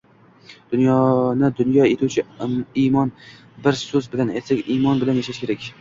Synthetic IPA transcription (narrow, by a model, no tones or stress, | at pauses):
d̪̥ʊnjɒnɪd̪ʊnjɒet̪ʰuwt͡ʃʰɪimɒn | bɪɾsɵzbɪlanajt̪sakʲimɒnbɪlanjaʃaʃkʲe̞ɾakʲ